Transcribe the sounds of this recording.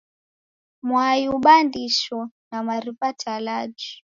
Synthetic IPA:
mwajuɓandiʃɔnamaɾipatʰalad͡ʒi

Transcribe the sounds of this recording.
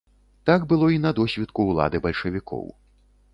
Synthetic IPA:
t̪aɡbɨlˠɔinɐd̪ɔsʲvʲɛt̪kuulˠa̰d̪ɨbɐlʲʂɐvʲikɔ̰w

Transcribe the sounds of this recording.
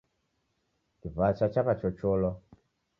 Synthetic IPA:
kivat͡ʃat͡ʃaβat͡ʃɔt͡ʃolɔ

